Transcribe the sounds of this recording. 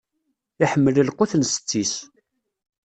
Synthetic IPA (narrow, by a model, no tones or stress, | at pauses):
iħəmːələlqʊθənsə̥t͡sːis